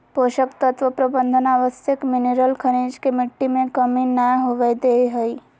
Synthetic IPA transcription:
poʃəkt̪ət̪ʋəpɾəbənd̪ʱənaʋəsjəkmineɾəlkʰəɾ̃ĩd͡ʒkemiʈːimẽkəminajɦoʋajd̪eɦəj

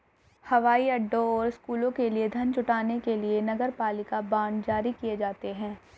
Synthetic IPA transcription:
hɐʋaːiɐɖːõɔːɾɪskuːlõkelied̪ʱɐnt͡ʃʊʈaːnekelienɐɡəɾpaːlɪkabaːɳd͡ʒaːɾikijed͡ʒaːt̪eɦɛ̃ː

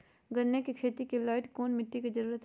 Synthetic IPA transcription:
ɡɐnːekikʰeːt̪ikilaːɪʈkoːnmɪʈːikid͡ʒəɾuːɾət̪

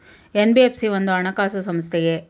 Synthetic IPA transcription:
enbiepsiʋond̪uɐɳɐkaːsusɐmst̪ʰeje

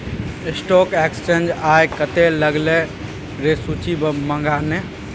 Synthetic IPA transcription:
ɪsʈokekst͡ʃend͡ʒajkət̪eləɡle | ɾesut͡ʃʰibməŋɡane

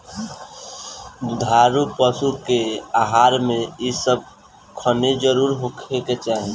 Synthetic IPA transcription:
d̪ʱaɾupəsukeaɦaːɾmẽisəb̚ | kʰəned͡ʒəɾuːɾɦokʰeket͡ʃaːɦi

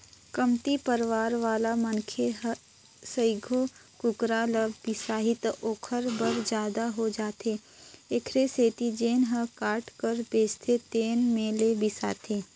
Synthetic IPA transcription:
kəmt̪ipəɾʋaːɾʋaːlamɐnkʰeɦ | səɪɡʱokʊkɾaːləbɪsaːɦɪt̪oːkʰəɾbəɾd͡ʒjaːd̪aɦod͡ʒaːt̪e | ekʰɾeseːt̪id͡ʒeːnɦəkaːʈkəɾbeːst̪ʰet̪eːnmẽlebɪsa̰ːt̪eː

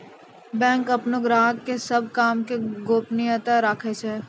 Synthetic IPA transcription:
bɛ̃ːŋkɐpnoɡɾaːɦɡːesɐb̚kaːmkeɡoːpnɪjət̪aɾakʰet͡ʃɛː

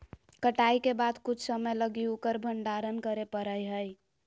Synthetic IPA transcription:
kəʈajkebad̪kut͡ʃʰsəməjləɡiukəɾbʱəɳɖaɾənkəɾepəɾəjɦəj

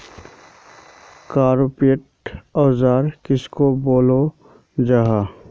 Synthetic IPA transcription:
kaːɾopiəʈ | ɔːzaːɾkɪskoboːlo | d͡ʒaɦaː

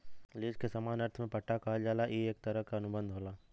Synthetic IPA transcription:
leːd͡ʒkesamaːnɐɾt̪ʰmẽpɐʈʰːakaɦad͡ʒaːlaʔjeeːk̚t̪ɐɾəɦkaɐnʊbə̃nd̪ʱɦoːlaː

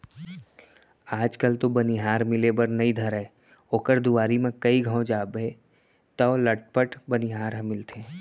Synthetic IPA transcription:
aːd͡ʒkəlt̪obɐniɦaːɾmɪlebəɾnɐid̪ʱɐɾɛː | oːkəɾd̪uʋaːɾimẽkɐiɡʱəõd͡ʒaːbẽ | t̪ɔlɐʈ̚pəʈbɐniɦaːɾɦə̃mɪlt̪ẽː

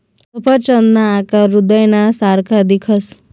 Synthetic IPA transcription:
upʰəɾt͡ʃənd̪aːkaɾud̪əjnasaɾkʰad̪ikʰəs

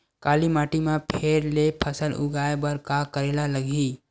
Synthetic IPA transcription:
kaːlimaːʈimepʰeɾlepʰəsəlʊ̰ɡaːebəɾkakəɾeːlaləɡʱi

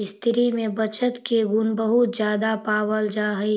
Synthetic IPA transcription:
st̪ʰɪɾimẽbət͡ʃət̪keɡʊnbəɦʊt̪zjaːd̪apaːwəld͡ʒaːɦəi

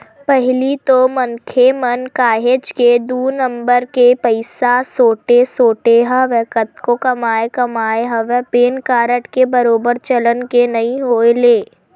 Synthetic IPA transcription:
pɛɦɪlit̪omɐ̃ŋkʰemɐnkaːɦeːd͡ʒked̪uːnɐ̃mbəɾkepɐɪsasoːʈesoːʈeɦɐʋɛːkət̪kokɐmaːekɐmaːeɦɐʋɛpeːnkaːɾəʈkebɐɾoːbəɾt͡ʃɐlənkenɐɦĩɦoːeleː

